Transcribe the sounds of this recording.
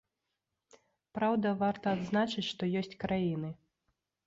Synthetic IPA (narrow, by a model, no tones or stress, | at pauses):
pɾawd̪ɐvart̪ɐːd̪znat͡ʂɨt͡sʲʂt̪ɔjɔsʲt͡sʲkɾʔajin̪ɨ